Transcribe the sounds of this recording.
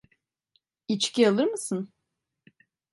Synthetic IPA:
it͡ʃcialˠɯɾmɯsɯn

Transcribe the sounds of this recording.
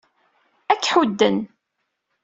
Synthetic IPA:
ækːħud̪ːən

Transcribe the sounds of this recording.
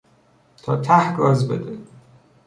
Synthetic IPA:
t̪ʰɒːt̪ʰæhɒːzbḛd̪e

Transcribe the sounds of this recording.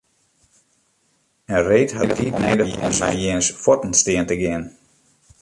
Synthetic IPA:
əreːtɦatʰiːtnɛjdəjɪ̰ənsa̰jɪənsfɔtn̩stɪəntəɡɪən

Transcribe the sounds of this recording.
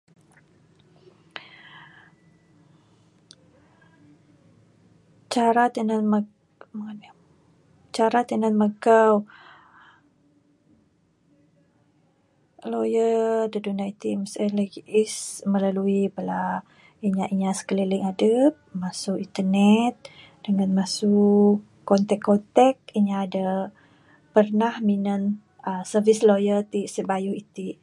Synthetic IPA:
t͡ʃaɾat̪ənəmə | məŋan | t͡ʃaɾat̪ənət̪məɡaw | lojədədunait̪imsələisməlaluibəla | iɲaʔiɲasə̥kəliliŋadəp̚masʊkint̪ənɛt̪̚ | d̥əŋanmasuʔ | kɔnt̪ɛkːɔt̪ɛk̚iɲaːda | pərnahminən | əsəvislojət̪isəbajuit̪i

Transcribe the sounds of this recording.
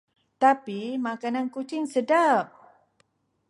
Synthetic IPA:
t̪apimakanankut͡ʃɪŋsədap̚

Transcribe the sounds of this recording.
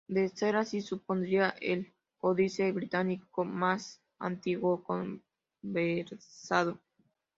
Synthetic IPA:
d̪eseɾasisup̚ond̪ɾiaʔel | koðiseβɾit̪anikomas | a̰nt̪iɣwokom | beɾsaðo

